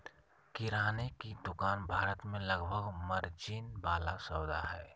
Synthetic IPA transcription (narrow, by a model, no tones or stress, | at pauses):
kiɾaːnekid̪ʊkaːnbʱaːɾət̪mẽləɡbʱəɡməɾd͡ʒiːnbaːlasəːd̪a̰ɦɛː